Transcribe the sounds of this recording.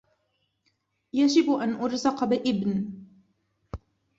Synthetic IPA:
jad͡ʒɪbʔanʔʊɾzɪqɑbɪʔɪbn

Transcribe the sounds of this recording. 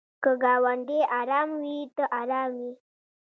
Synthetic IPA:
kəɡaːwaɳɖeʔaɾaːmwit̪əʔaɾaːmwi

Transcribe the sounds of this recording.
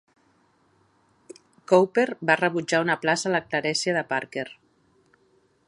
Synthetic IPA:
kowpeɾbarəβud͡ʒaunəplasaləklaɾɛsjaðəpaɾkeɾ

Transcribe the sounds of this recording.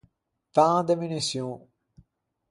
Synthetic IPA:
pãːd̪emynisjɔ̃

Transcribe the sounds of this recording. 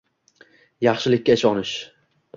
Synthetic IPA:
jɑχʃɪlɪkʲːaɪʃɒnɪʃ

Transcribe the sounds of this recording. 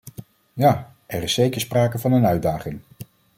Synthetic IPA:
jaː | ʔɛrɪsːejkəɹspraːkəvɑnənœɥdaːχɪŋ

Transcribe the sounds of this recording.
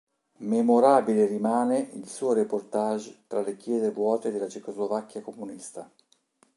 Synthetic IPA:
memoɾaːbilerimaːneʔilsuːoɾeport̪aʒt̪ɾalekjɛːzevwɔːt̪ed̪elːat͡ʃekozlovakːjakomunist̪a

